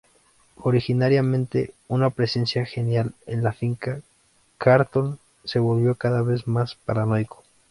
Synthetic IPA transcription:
o̞ɾixinaɾjamẽ̞nt̪e̞̰unapɾe̞se̞nsjaxe̞njalenlafiŋka | kaɾt̪o̞n | se̞βo̞lβjo̞kaðaβe̞zmaspaɾanojko̥

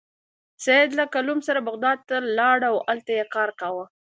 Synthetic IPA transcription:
sed̪lakalumsaɾabaɣd̪ɑd̪̚t̪alɑɽaawalt̪ajekɑɾkawə

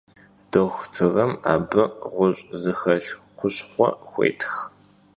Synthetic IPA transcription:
d̥oxʷtʰɨʁɐma̰ːbɨʁʷʊɕʼzɨxɐɬ | χʷʊɕʼχʷɔxʷḛːjtʰx

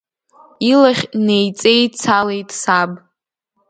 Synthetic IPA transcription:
ilaχʲne̞jt͡sʼe̞jt͡sʰalejtʼsab

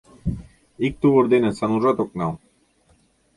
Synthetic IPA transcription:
ik̚t̪uʁɤɾd̪enɘsanuʐat̪ok̚nɑw

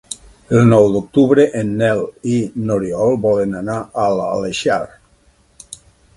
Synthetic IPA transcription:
elˠnɔwd̪ok̚t̪uβɾeʔenːɛlinoɾiɔlˠbɔlenanaʔala̰leʃa̰ɾ

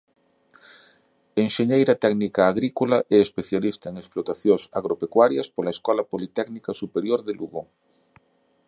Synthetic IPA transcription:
eŋʃeɲejɾat̪ɛɡnikaːɣɾikolaʔɛespeθjalist̪aeŋesplot̪aθjosa̰ɣɾopekwaɾjɐspolaeskɔlapolit̪ɛknikasupeɾjoɾðeluɣo

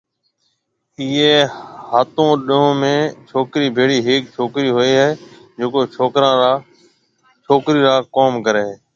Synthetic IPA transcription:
iːeːhaːt̪õːɗɪɦõːmẽːt͡ʃʰoːkɾiːbʱeːɽiːɦɪːk̚t͡ʃʰoːkɾiːɦʊeːɦeː | d͡ʒeːkoːt͡ʃʰoːkɾãː | t͡ʃʰoːkɾiːɾaːkoːmkəɾeːɦeː

